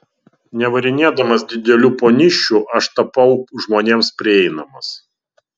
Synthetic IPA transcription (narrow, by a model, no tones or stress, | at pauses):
nʲɛʋɐɾʲɪnʲeːd̪ɐmɐsd̪ʲɪd̪ʲɛlʲuːpoːnʲɪʃʲt͡ʃʲːuːʔɐʃt̪ɐpɐʊʒmoːnʲeːmspʲɾʲɪɛɪnɐmɐs